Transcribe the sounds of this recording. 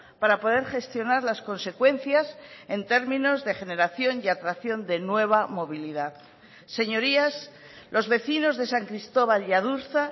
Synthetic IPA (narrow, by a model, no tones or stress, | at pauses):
paɾapo̞ðe̞ɾχe̞st̪jo̞naɾlasko̞nse̞kwe̞n̟θjase̞nt̪e̞ɾmĩno̞zðe̞xe̞ne̞ɾaθjo̞niat̪ɾaθjo̞nd̪e̞nwe̞β̞amo̞β̞iliðað | se̞ɲo̞ɾias | lo̞zβe̞θino̞zðe̞saŋkɾist̪o̞β̞aljaðuɾθa